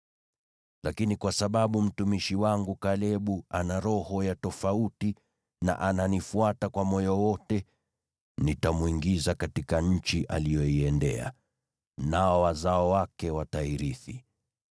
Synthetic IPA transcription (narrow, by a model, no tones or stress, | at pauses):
lakinikwasaɓaɓum̩tumiʃiwaŋɡukalɛɓuanaɾɔhɔjatɔfauti | na̰ʔananifuatakwamɔjɔwɔtɛ | nitamuiŋɡizakatikaɲ̩t͡ʃiʔalijɔiɛndɛ̰a̰ | naɔwazaɔwakɛwataiɾiθi